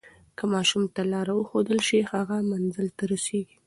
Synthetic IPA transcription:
kəmɑʃumt̪alɑɾawəxod̪əlʃihaɣamanzəlt̪aɾoseɡi

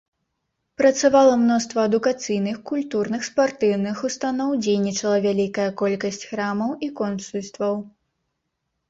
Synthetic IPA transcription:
pɾɐt̪savalˠɐmnɔst̪vɐɐd̪ukat̪sɨjnɨxkulʲt̪urnɨxspart̪ɨwnɨxust̪anɔwd͡zʲejnʲit͡ʂɐlˠɐvʲalʲikɐjɐkɔlʲkɐsʲt͡sʲxɾamɐwʔikɔnt̪sulʲst̪vɐw

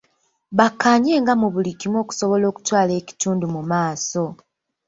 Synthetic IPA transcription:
βakʰːaːɲe̞ːŋɡamuβulikimo̞ːku̥so̞βo̞lo̞ːku̥twaːle̞ːci̥tuːndumumaːso̞

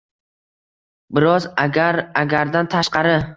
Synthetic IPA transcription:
bɪɾɒzaɡʲaɾaɡʲaɾd̪ant̪ʰaʃqɑɾɪ

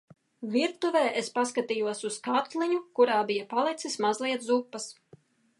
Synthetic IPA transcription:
viɾt̪uvɛːʔespaskat̪ijuɔsuskat̪lˠiɲukuɾaːbijɐpalˠɛt̪sismazlˠiɛt̪zupːɐs

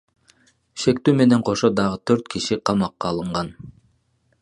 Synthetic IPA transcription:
ʃe̞k̚t̪yːme̞ne̞ɴqʰo̞ʃo̞d̪ɑʁət̪ʰøɾt̪kʰiʃiqʰɑmɑqːɑːlˠɯɴʁɑn

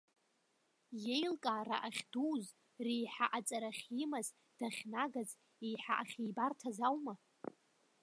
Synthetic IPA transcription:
je̞jlkʼaːra̰ʔaχʲduwz | rijħaʔat͡sʼaɾaχʲimaz | d̥aχʲnaɡaz | ejħaʔaχʲijbartʰazawma

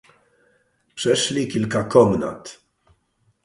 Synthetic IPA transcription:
pʂɛʃlikɪlkɐkɔmnɐ̰t̪

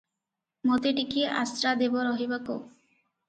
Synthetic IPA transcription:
mot̪eʈikiʔa̰st̪ɾad̪ebɔɾɔɦibako̰

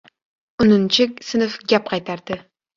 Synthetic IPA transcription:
ʊnɨnt͡ʃʰɪkʲsɨnɨfɡʲap̚qʰɑjt̪ʰaɾd̪̥ɪ

